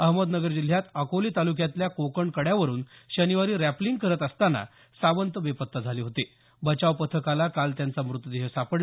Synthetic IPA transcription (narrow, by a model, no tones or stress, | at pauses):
əɦməd̪nəɡəɾd͡ʑil̤ːjat̪əkoliːt̪aluk̬jat̪ljakokəɳkəɽjaʋəɾuːnɕəniʋaɾiːɾæpliŋɡkəɾət̪əst̪ana̰ | saʋənt̪əbepət̪ːəd͡zʱaliːɦot̪e | bət͡ɕaʋpət̪ʰəkalakalt̪jant͡samɾut̪ːəd̪eɦesapəɽ